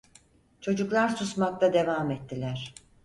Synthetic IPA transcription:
t͡ʃʰo̞d͡ʒuklˠaɾsusmak̚t̪ʰad̪e̞vaːmɛt̪ːilʲæɾ̥

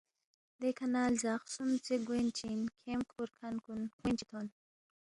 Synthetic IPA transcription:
d̪ekʰanaːlzaːxsumt͡seɡwent͡ʃinkʰemkʰuɾkʰankunkwint͡ʃit̪ʰoːn

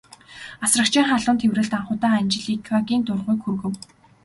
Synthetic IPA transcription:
asrə̆kt͡ɕʰiːŋχaɮʊːnt̪ʰewrɘ̆ɬt̪aɴχʊːt̪aːanʲt͡ɕɪ̆ɮiːkʰaɣʲiːnt̪ʊrʁuːkxurɣɘ̆w

